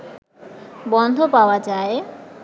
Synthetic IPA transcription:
bɔnd̪ʱopaoad͡ʑae

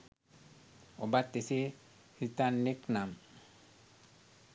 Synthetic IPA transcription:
obat̪ːese | sitanːeknam

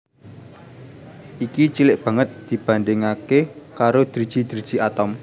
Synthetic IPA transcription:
ʔikit͡ʃilɪʔb̥a̤ŋət̪̚d̪̥i̤b̥a̤nɖɪŋakekaɾod̪̥ɾid̥ʒ̥i̤d̪̥ɾid̥ʒ̥i̤at̪ɔm

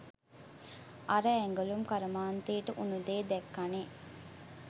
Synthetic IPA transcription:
ʔaɾəɛŋɡəlumkaɾəmaːnt̪eːʈəʔunud̪eːd̪ɛkːaneː

